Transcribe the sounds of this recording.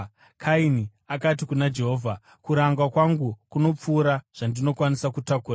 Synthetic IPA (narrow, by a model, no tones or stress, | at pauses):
kʰaini | akat̬ikunad͡ʒe̞ɦo̞ːvʱa | kuɾaŋɡwakwaŋɡukuno̞p͡fuːɾaʐ̥andino̞kwanisakutakuːra